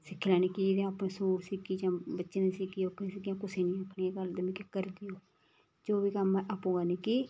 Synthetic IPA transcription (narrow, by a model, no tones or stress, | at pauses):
sɪkʰːlaːniːkid͡ʒɪd̪ẽaːpnẽːsuːɾsikiːd͡ʒãːbətːʃnẽːsikiːokʰːnẽːsɪkːjãːkʊseːnĩːapʰniːeɡəld̪əmĩːkɪkəɾd̪iːoː | d͡ʒoːʋiːkəmʔaːpõːɡaːniːki